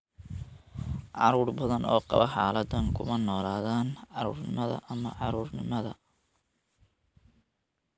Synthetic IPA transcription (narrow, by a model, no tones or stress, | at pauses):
ʕɑɾuːrbɐðɐnʔɔ̰ːqɑβɐħaːlɐd̪ɐŋkʰʊmɐnɔːlaːðaːnʕɑɾuːrnɪmɐðɐ̰ʔɐmɐʕɑɾuːrnɪmɐðɐ̰